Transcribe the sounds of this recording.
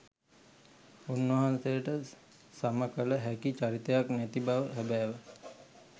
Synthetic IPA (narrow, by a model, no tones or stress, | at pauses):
unːʋəɦansejəʈə | saməkələɦækit͡ʃaɾit̪əjaknæt̪ibaʋəɦɛbæːʋə